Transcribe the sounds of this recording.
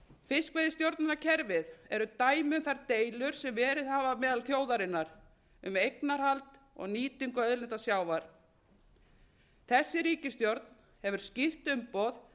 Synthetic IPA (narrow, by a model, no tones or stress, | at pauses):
fɪskvejðɪst̪jowɾt̪nɪnacʰɛɾvɪðɛɾʏt̪aːjmɪʏmθaɾt̪eːjlʏɾ̥sɛmvɛːɾɪðhaːvamɛːðalθjoːwðaɾɪnːaɾ | ʏmejknaɾhalt̪ | ɔ̰ɣniːt̪iŋkʏœðlɛt̪asjaːwvaɾ̥ | θɛsːɪɾiːcɪst̪jowɾt̪n̥ | hɛvʏɾ̥scɪr̥t̪ʏmpɔːð